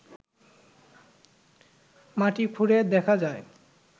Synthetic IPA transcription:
maʈikʰuɾed̪ɛkʰad͡ʑae

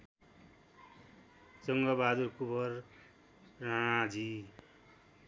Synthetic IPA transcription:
t͡sʌŋɡʌbad̪urkubʌrː | ãad͡zi

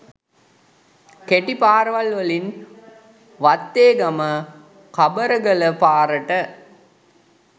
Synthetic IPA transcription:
keʈipaːɾʋɐlʋɐlin | ʋɐt̪ːeːɡɐmə | kɐbəɾəɡələpaːɾəʈə

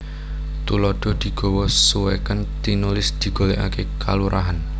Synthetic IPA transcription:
t̪ulɔɖ̥ɔ̤d̪̥i̤ɡ̥ɔ̤wɔsuwɛkənt̪inulɪsd̪̥i̤ɡ̥o̤leʔa̰kekʰaluɾʔa̰ɦan

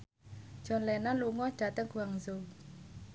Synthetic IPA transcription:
d͡ʒ̥ɔ̤nlɛnanluŋɔd̥a̤t̪əŋɡuaŋzo

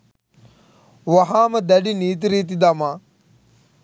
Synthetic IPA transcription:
ʋɐɦaːməd̪ɐɖiniːt̪̬iɾiːt̪̬id̪ɐmaː

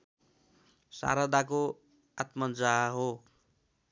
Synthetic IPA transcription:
sa̰ɾad̪ako | at̪mʌnd͡zaɦo

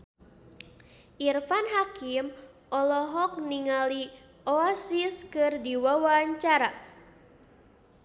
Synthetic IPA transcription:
ʔirfanɦakim | ʔɔlɔɦɔk̚niŋali | ʔɔasiskɨrdiwawaɲt͡ʃaɾa

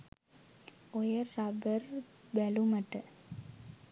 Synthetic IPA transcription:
ojəːabərbælumɐʈə

